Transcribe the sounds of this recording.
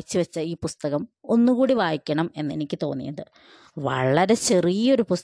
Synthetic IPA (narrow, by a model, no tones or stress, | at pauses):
t͡ɕːiʋɐt͡ɕːɐiːpust̪ɐɣɐmo̞nːukuːɽiʋaːjikʲːɐɳɐme̞nːe̞̰nikʲːɨt̪o̞ːnːḭjɐðɨ | ʋɐ̰ɭːɐɾe̞t͡ɕerijo̞ɾupus